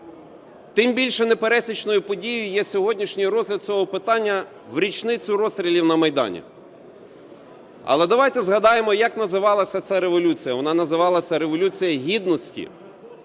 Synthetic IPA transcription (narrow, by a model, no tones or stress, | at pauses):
t̪ɪmbʲilʲʃɛnepeɾɛsʲit͡ʃnɔjʊpɔdʲijʊʊjɛsʲɔɦɔdʲnʲiʃnʲijɾɔzʲlʲɐd̪̚sʲɔɦɔpɪt̪ɑnʲːɐ | wɾʲit͡ʃnɪt͡sʲʊɾɔst̪ʲɾʲilʲiwnɐmɐjd̪ɑ̰nʲḭ | ɐ̰lˠɛd̪ɐʋɑjt̪ɛzɦɐd̪ɑjemɔjɐkn̪ɐzɪʋɑlˠɐsʲɐt̪sɛɾeʋɔlʲut͡sʲijɐʋɔnɑnɐzɪʋɑlˠɐsʲɐɾeʋɔlʲut͡sʲijɐɦʲid̪nɔsʲtʲḭ